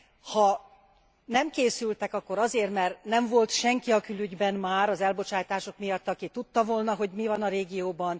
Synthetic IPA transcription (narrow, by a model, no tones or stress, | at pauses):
hɒ | nɛmkeːsylt̪ɛkɒkːo̞ɾɒzeːrt̪mɛrt̪nɛɱvo̞lt̪ʃɛŋkiɒkylyɟbɛnmaːɾɒzɛlbo̞t͡ʃaːjt̪aːʃo̞kmijɒt̪ːɒkit̪ut̪ːɒvolnɒɦo̞ɟmivɒnɒɾeːɡijoːbɒn